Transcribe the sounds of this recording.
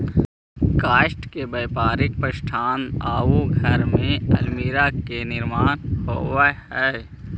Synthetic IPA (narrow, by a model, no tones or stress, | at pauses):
kaːʃʈkebəːpaːɾɪk̚pɾəʃʈʰaːnaːuɡʱəɾmẽə̰lmiːɾakenɪɾmaːnɦoːwahɛ